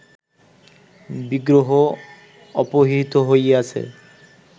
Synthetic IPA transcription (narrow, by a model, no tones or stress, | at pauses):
biɡɾoɦo | ɔpoɦit̪oɦojat͡ɕʰḛ